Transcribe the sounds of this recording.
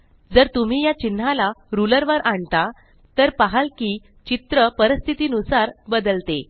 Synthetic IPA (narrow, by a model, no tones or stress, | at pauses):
d͡zəɾt̪um̤iːjat͡ɕin̤ːalaɾuləɾʋəɾʔaɳt̪a | t̪əɾpaɦalkiː | t͡ɕit̪ɾəpəɾəst̪ʰit̪iːnusaɾbəd̪əlt̪e